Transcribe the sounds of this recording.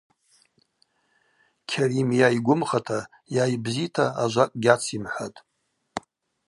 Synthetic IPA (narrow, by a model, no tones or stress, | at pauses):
kʲʰarimjajɡʷʊmχatʰa | jajbzitʰaaʒʷakʼɡʲat͡sʰimħʷatʼ